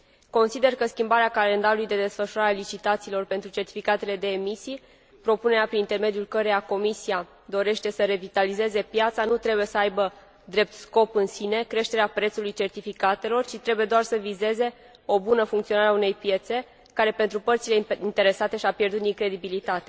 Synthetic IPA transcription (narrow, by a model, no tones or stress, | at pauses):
ko̞nsid̪e̞rkəskʲimbaɾeakale̞nd̪aɾulujd̪e̞d̪e̞sfəʃuɾaɾealit͡ʃit̪at̪siːlo̞rpe̞nt̪ɾut͡ʃe̞rt̪ifikat̪e̞le̞d̪e̞ːmisij | pɾo̞pune̞ɾeapɾinint̪e̞rme̞d̪julkəɾejako̞misija | d̪o̞ɾe̞ʃt̪e̞səɾe̞vit̪alize̞ze̞pjat̪sanut̪ɾe̞buje̞səajbə | d̪ɾe̞p̚t̪sko̞pɨnsine̞kɾe̞ʃt̪e̞ɾeapɾe̞t̪sulujt͡ʃe̞rt̪ifikat̪e̞lo̞rt͡ʃit̪ɾe̞buje̞d̪oarsəvize̞ze̞ | o̞bunəfuŋkt̪io̞naɾeaune̞jpje̞t̪se̞ | kaɾe̞pe̞nt̪ɾupərt̪sileint̪e̞ɾe̞sat̪e̞ʃiapjerd̪ut̪iŋkɾe̞d̪ibilit̪at̪e